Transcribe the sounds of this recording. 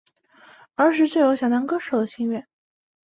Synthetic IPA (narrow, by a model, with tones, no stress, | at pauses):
ə˞˧˥ʂ̬ɻ̩˥˧t͡ɕje˥˩jo˧˥ʊɕjɑ˨˩t̪ɑ˧˥ŋkɤ˥ʂo˨˩ʊd̪ə˦ɕi˥˧ŋɥɛ˥˩n